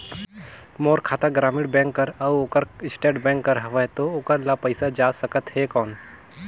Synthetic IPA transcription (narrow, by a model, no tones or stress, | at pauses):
moːɾkʰaːt̪aɡɾaːmɪɽbɛ̃ːŋkːəɾɐoːkəɾɪsʈeːʈbɛ̃ːŋkːəɾɦɐʋəɦt̪ooːkəɾlapəɪsad͡ʒaːsɐkət̪ɦekɔːn